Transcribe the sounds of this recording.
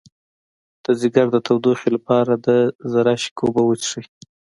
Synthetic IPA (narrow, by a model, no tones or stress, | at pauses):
d̪̥əzɪɡaɾd̪ət̪ʰawd̪oxelapɑɾad̪əzaɾɑʃi̥kʰobawət͡ʃʂəj